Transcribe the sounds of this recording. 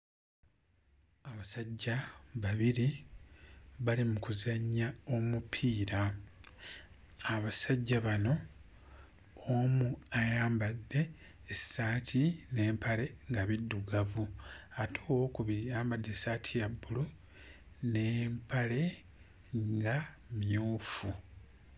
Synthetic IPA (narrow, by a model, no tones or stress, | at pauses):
aβasaɟːaβaβiɾi | βalimukuzaɲːao̞mupʰiːɾa | βasaɟːaβano̞ | omuajaːmbadːe̞ː | saːtʰine̞ːmpale̞ŋɡaβidːuɡavuatʰuwo̞ːkuβiɾiaːmbadːe̞saːtʰijabːulu | ne̞ːmpʰale̞ | ŋɡa | mjuːfu